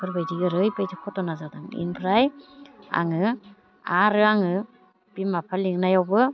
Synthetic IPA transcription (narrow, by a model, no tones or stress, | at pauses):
kʰɯɾbajdiɡɯɾɯjpajdikʰɔtɔnazadaŋḭnpʰɾaja̰ŋɯ | aɾɯaŋɯ | b̥imapʰaliŋnajawbɯ